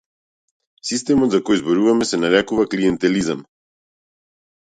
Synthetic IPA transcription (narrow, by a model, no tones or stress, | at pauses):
sist̪ɛmɔt̪zakɔjzbɔɾuvamɛsɛnaɾɛkuvakliɛnt̪ɛlizam